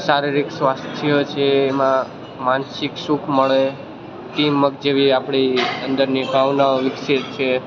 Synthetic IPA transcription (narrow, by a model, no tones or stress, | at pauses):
saɾiɾiksʋast̪ʰijot͡ʃʰeːmã | mansikʃukʰməɭe | ʈimːəɡ̚d͡ʒeʋiapɽ̃iənd̪əɾniɖʱaʋnaʋɪkset̪t͡ʃʰe